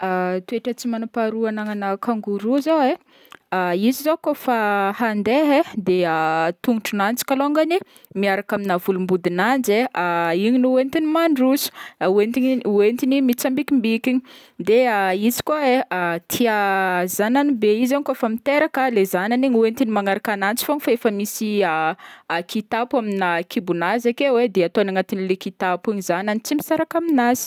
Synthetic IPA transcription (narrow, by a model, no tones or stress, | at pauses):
at̪ueʈ͡ʂət͡simanapaɾuanaŋanakaŋɡuɾuzowe | aizizokofahand̪eɦed̪eat̪uŋuʈ͡ʂunant͡si̥kaloaŋɡani | miaɾakaminavulumbud̪inand͡ʒeaiɲinuent̪inimaɳɖ͡ʐusu̥uent̪iuent̪inimit͡sambikimbikiɲi | d̪eaizi̥kaeat̪ʰiazananibeizankaefamit̪eɾakəlezananiɲuent̪inimaŋaɾakanant͡si̥foɲifaefəmisiakit̪apwaminakʰibunazakewed̪eat̪onaŋat̪inilekit̪apiɲizananit͡simisaɾakaminazi̥